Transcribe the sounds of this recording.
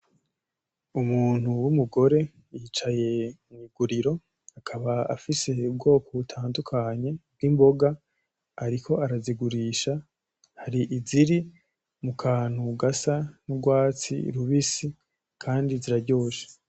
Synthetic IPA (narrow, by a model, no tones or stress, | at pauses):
umuːn̥huwumuɡo̞ɾe̞ | jiːt͡ʃaje̞ | ɲiɡuɾiɾo̞ | akʰaβaa̰fise̞ub̚ɡo̞ːko̞βutʰaːndukʰaɲe̞b̚ɡiːmbo̞ɡaː | ɾikʰo̞aɾaziɡuɾiʃa | haɾiʔiziɾi | mukʰaːn̥huɡasanuɡwaːt͡sḭɾuβisi | kʰaːndiziɾaɟo̞ːʃḁ